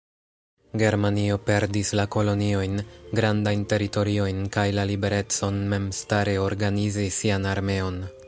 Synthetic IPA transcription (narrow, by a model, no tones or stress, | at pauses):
ɡe̞ɾmanio̞pe̞ɾdislako̞lo̞nio̞jnɡɾandajnte̞ɾito̞ɾio̞jnkajlalibe̞ɾe̞t͡so̞nme̞mstaɾe̞o̞ɾɡanizisianaɾme̞o̞n